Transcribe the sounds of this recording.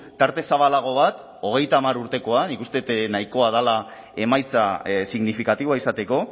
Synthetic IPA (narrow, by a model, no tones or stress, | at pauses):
t̪aɾt̪e̞saβalaɣ̞o̞β̞at̪ | o̞ɣ̞e̞jt̪aːmaɾuɾt̪e̞ko̞anikust̪e̞t̪naiko̞að̞ala | e̞majt͡sasiɣnifikat̪iβoaisat̪e̞ko̞